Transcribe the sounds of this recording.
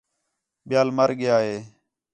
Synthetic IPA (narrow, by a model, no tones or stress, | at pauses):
ɓɪjaːlməɾɠɪjaːɦeː